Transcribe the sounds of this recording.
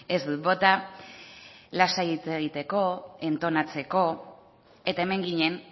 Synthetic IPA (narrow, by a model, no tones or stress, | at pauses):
e̞zd̪ubo̞t̪a | lasajit͡se̞ɣ̞it̪e̞ko̞e̞nt̪o̞nat͡se̞ko̞ | e̞t̪ae̞me̞ŋɡiɲe̞n